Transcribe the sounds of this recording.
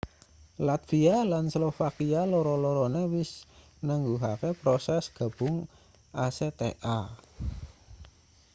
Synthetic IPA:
lat̪fialanslofakialɔɾɔlɔɾɔnewɪs | nəŋɡuɦakepɾɔsɛsɡ̥a̤b̥ʊŋ | ʔaset̪ḛʔa

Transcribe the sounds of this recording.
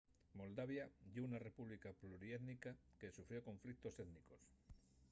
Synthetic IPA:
mo̞ld̪aβ̞jaʎounare̞puβlikapluɾieðnikake̞sufɾiokõ̞ɱflik̚t̪o̞se̞ðniko̞s

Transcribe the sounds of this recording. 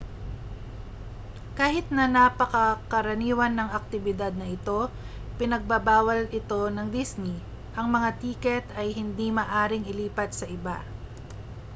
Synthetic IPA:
kaːhɪt̪̚nɐnɐpɐkɐkɐɾɐniːwɐnːɐŋɐk̚t̪ɪbɪd̪ad̪̚nɐʔɪt̪o̞ | pɪnɐɡ̚bɐbaːwɐlɪt̪o̞nɐŋd̪isni | ʔɐŋmɐŋat̪iːkɛt̪ɐjɦɪnd̪imɐʔaːɾɪŋɪliːpɐt̪̚sɐʔɪba̰

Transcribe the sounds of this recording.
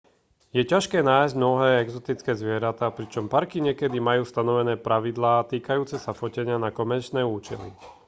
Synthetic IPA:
jɛcaʃkɛːnaːjzɟmnɔɦɛːɛɡzɔt̪it͡skɛːzʋɪɛɾat̪aːpɾit͡ʃɔmpaɾkiɲɪɛkɛd̪imajuːst̪anɔʋɛnɛːpɾaʋid̪laːt̪iːkajuːt͡sɛsafɔcɛɲɪanakɔmɛɾt͡ʃnɛːuːt͡ʃɛlḭ

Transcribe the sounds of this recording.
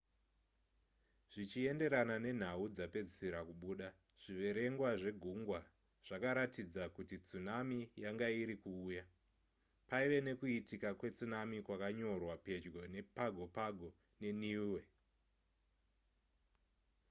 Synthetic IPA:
ʐ̥it͡ʃie̞nde̞ɾanane̞n̤aud͡zape̞d͡ziseɾakuɓuːɗa | ʐ̥iʋe̞ɾe̞ŋɡwaʐe̞ɡʱuŋɡwa | ʐ̥akaɾatid͡zakutit͡sunamijaŋɡaiɾikuːja | paiʋe̞ne̞kuitikakwe̞t͡sunamikwakaɲo̞rwape̞d͡ʒɡo̞ne̞paɡʱo̞paɡʱo̞ | ne̞niwe̞

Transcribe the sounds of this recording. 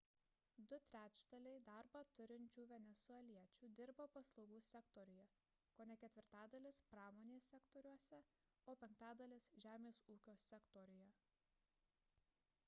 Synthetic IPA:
d̪ʊt̪ʲɾʲæːt͡ʃʲd̪ɐlʲɛɪd̪ɑɾbɐt̪ʊɾʲɪnʲt͡ʃʲuːʋʲɛnʲɛsʊɛlʲiɛt͡ʃʲuːd̪ʲɪɾboːpɐslˠɒʊɡuːsʲɛkt̪ɔːɾʲʊjɛ | koːnʲɛkʲɛt̪ʲʋʲɪɾt̪ɑːd̪ɐlʲɪspɾɑːmoːnʲeːsʲɛkt̪ɔːɾʲuɔsʲɛ | oːpʲɛŋk̚t̪ɑːd̪ɐlʲɪsʒʲæːmʲeːsuːkʲoːsʲɛkt̪ɔɾʲʊjɛ

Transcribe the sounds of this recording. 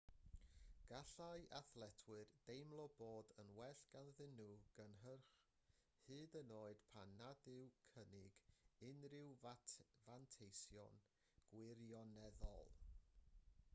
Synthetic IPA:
ɡ̥aɬaɨʔaθlˠɛtʰwɨrd̥ejmlˠɔboːdənwɛɬɡ̥anðɪnuɡ̥ənɦərχ | hɨːdənoːɨd̥pʰanːadɪwkʰənɪɡɪnrɪw | vantʰejsjɔ̰n | ɡ̥wɪɾjɔnɛðɔ̰lˠ

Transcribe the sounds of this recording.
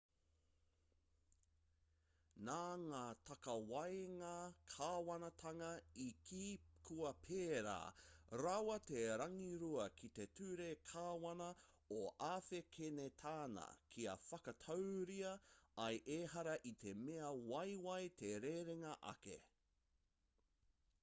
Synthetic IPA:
naːŋaːt̪ʰɐkɐwɐjŋakʰaːwɐnɐt̪ʰɐŋɐikʰiːkʰuɐpʰeːɾa̰ːɾawɐt̪eɾɐŋiɾuɐkʰit̪e̞tʰʉɾekʰaːwɐnɐ | oʔaːfekʰenet̪ʰaːnɐ̰kʰiɐ̰fɐkɐt̪ʰɐwɾiɐɐjʔeːɦɐɾɐʔit̪ʰe̞meɐwɐjwɐjt̪ʰe̞ɾeɾeŋɐʔɐ̰kḛ

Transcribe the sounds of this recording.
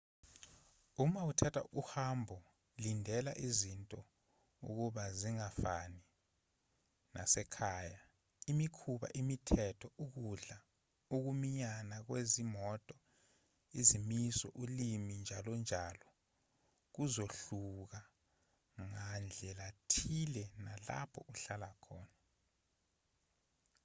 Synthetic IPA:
umautʰatʰa̰uk̬uhambʱɔ | lindʱɛlaʔizintʼɔ | ṵk̬uɓaziŋafani | nʔa̰sɛkʰaːja | imikʰuɓa̰ʔimitʰɛtʰɔʔuk̬uɮa | uk̬umiɲanak̬wezimɔtʼɔ | izimisɔ̰ʔulimind͡ʒʱalɔnd͡ʒʱalɔ | k̬uzoɬuk̬a | ŋand͡ɮʱɛlatʰilɛnala̰pʰɔʔuɬalakʰɔːna

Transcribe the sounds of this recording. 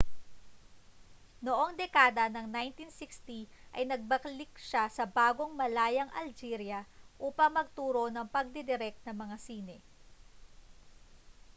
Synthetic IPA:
noʔo̞ŋd̪ɛkaːd̪ɐnɐŋnajnt̪insikst̪iʔɐjnɐɡ̚bɐklik̚ʃasɐbaːɡo̞ŋmɐlaːjɐŋʔɐ̰ld͡ʒiːɾjɐʔuːpɐŋmɐɡ̚t̪uːɾo̞nɐŋpɐɡ̚d̪ɪd̪ɪɾɛk̚t̪̚nɐŋmɐŋasiːnɛ

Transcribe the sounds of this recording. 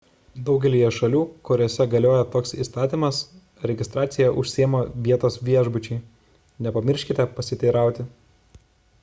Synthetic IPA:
d̪ɒʊɡʲɛlʲiːjɛʃɐlʲuːkʊɾʲoːsʲɛɡɐlʲoːjɛt̪oːksḭst̪ɑːt̪ʲiːmɐs | ɾʲɛɡʲɪst̪ɾɑːt̪sʲɪjɛʔʊʃʲsʲiːmoːʋʲiɛt̪oːsʋʲiɛʒbʊt͡ʃʲɛɪ | nʲɛpɐmʲɪɾʲʃʲkʲɪt̪ʲɛpɐsʲɪt̪ʲɛɪɾɑˑʊt̪ʲɪ

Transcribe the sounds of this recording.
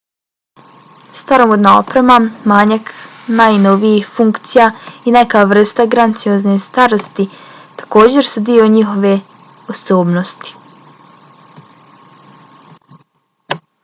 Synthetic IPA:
st̪aɾomod̪nao̰pɾemamaːɲaknajnoʋijixfuŋkt̪sijaine̞kaʋr̩st̪aɡɾant̪sijo̞znest̪aɾo̞st̪it̪ḁko̞ːd͡ʑe̞ɾsud̪io̞ɲixo̞ʋe̞ | oso̞ːbno̞st̪i̥

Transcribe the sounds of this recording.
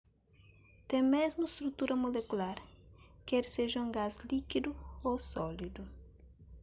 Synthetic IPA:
t̪ẽmezmʊst̪ɾut̪uɾɐmolekulaɾkɛɾseʒɐũɡazlikid̪uosɔlid̪u

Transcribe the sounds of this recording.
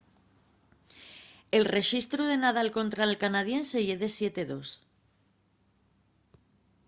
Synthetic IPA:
e̞lre̞ʃist̪ɾuðe̞nað̞alko̞nt̪ɾalkanað̞je̞nse̞ʝeðe̞sje̞t̪eðo̞s

